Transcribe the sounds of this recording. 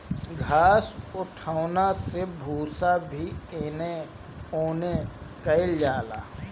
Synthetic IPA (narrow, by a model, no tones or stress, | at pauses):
ɡʱaːsʊʈʰaːʊnasebʱuːsabʱieːne | oːnekəɪld͡ʒaːlaː